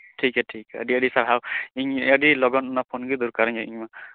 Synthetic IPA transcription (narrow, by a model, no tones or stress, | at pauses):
ʈʰikɛʈʰikə̰ɖiəɖisaɾɦawiɲəɖilɔɡɔnɔnapʰonɡid̪uɾkaɾɛŋɛʔiɲma